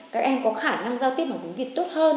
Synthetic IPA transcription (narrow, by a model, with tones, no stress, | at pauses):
kaː˦˥k̚ʔɛ˧mkɔ˨˦xaː˧˩na˧ŋzaː˧wt̪i˦˥p̚ʔəː˧˩t͡ɕḭ˨˦ŋvi˨˩t̚t̪o˦˥t̚həː˧n